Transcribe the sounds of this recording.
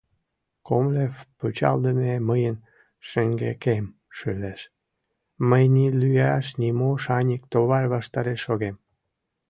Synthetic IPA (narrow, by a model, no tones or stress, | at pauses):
komlefput͡ɕɑ̰ld̪əneməjən | ʃəŋɡḛkem | ʃøleʃ | məjnilyjɑʃnʲimoʃɑnʲikt̪oβɑrʲβɑʃt̪ɑɾeʃoɣem